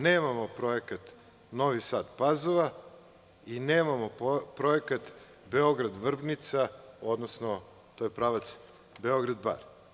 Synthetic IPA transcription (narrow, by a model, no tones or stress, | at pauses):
neːmamopɾo̞ekat̪ | no̞ʋisaːd̪pazoʋa | ineːmamopɾoekat̪ | beo̞ɡɾad̪ʋr̩bnit̪sao̞d̪nosno | t̪ojepɾaʋat̪s | be̞o̞ɡɾad̪ba̰ɾ